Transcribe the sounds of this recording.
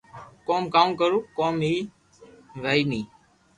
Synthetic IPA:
koːmkaːmkəɾuːkoːmɦiː | ʋəiːnĩː

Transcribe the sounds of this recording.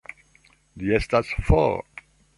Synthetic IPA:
d̪iɛst̪asfɔ̰

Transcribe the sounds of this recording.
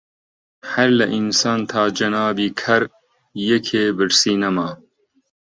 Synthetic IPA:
hɐɾlɐʔinsɑːnt̪ʰaːd͡ʒɐnaːbiːkʰɐɾ | jekʰeːbɨɾsiːnɐmaː

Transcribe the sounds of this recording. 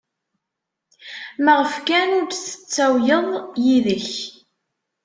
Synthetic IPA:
məʁəfkænʊɾd̪θə̥t͡sːæwjəðˤjiðəç

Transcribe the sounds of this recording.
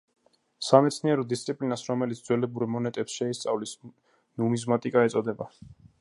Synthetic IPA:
samɛt̪sʰniɛɾɔd̪ist̪sʼipʼlinasɾɔmɛlit̪sd̪zwɛlɛbuɾɛmɔnɛt̪ʼɛpsʃɛist̪sʼa̰vlis | numizmat̪ʼikʼaɛt̪sʼɔd̪ɛba

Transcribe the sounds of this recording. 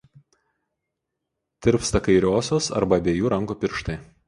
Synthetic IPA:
t̪ʲɪɾpst̪ɐkɐɪɾʲoːsʲoːsɐ̰ɾbɐbʲeːjuːɾɐ̃ŋɡuːpʲɪɾʃt̪ɐɪ

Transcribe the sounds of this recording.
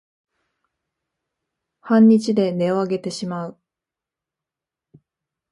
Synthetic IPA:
hãɲ̟ːit͡ɕid̪e̞ne̞o̞aɡe̞t̪e̞ɕimaɯ̟

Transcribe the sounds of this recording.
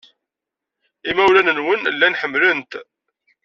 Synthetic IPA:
imæwlænənwənlːænħəmːlənt̪

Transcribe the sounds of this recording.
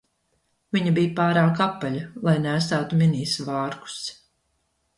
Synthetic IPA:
viɲabijpaːɾaːkapːaʎalˠajnæːst̪aːt̪umʲiniːsvɑːɾku̥s

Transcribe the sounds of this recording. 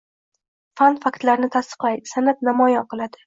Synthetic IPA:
fanfakt̪laɾnɪt̪ʰast̪ɨ̥qlaj̪sanap̪namɒjɒqʰɨlˠad̪ɪ

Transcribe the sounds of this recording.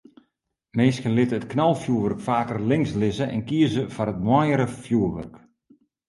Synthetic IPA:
meːskənlɪtəətknɔlˠfjuəʋørkfaːkərlɪŋslɪzəʔɛ̰nkiəzəfaɾət̚mwɔjəɾəfjuəʋø̰rk

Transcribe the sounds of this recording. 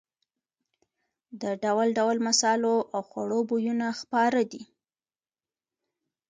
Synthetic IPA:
d̪əɖawalɖawalmasɑloʔawxwa̰ɽobojunaxpɑɾəd̪i

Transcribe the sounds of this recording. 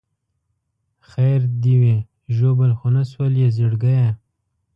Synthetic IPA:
xaɾd̪iwe | ʒobalxonaswaljezɪɽɡaja

